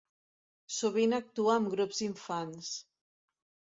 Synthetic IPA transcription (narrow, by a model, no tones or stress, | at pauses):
suβinak̚t̪uaːmɡɾupz̥iɱfans